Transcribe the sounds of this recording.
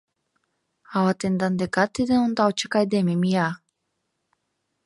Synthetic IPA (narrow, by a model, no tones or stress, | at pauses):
awat̪end̪and̪eɡat̪ːed̪enond̪aot͡ʃakajd̪emimija